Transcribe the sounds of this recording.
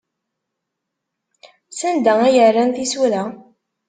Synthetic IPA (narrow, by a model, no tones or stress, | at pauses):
sænd̪ææjərːænθisuɾæ